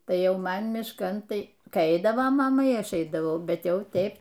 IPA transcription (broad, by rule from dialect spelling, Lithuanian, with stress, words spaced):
ˈtɐɪ ˈjɛʊ ˈmɐn mʲɪʃˈkɐn ˈtɐɪ ˈkɐɪ ˈɛɪdɐʋoː mɐˈmɐ iː ˈɐʃ ˈɛɪdɐʋɐʊ ˈbʲɛt ˈjɛʊ ˈtʲɛɪp